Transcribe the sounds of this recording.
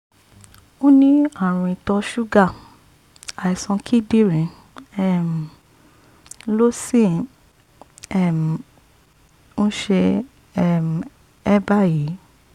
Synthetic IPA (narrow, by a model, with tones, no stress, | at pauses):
o˦nĩ˦a˦˨ɾ̃ũ˧i˧tɔ˧ʃu˦ɡa˦˨ | a˨i˨sɔ̃˧kʰi˦˨di˦ɾĩ˨˦ | ɛ˦˨m˨ | lo˦sĩ˦ | ɛ˦˨m˨ | ñ̩˦ʃe˧ | ɛ˦˨m˨ | ɛ˦ba˦˨ji˨˦